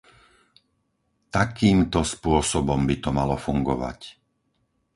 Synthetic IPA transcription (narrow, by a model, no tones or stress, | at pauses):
t̪akiːmt̪ɔspʊɔsɔbɔmbit̪ɔmalɔfuŋɡɔ̰ʋa̰c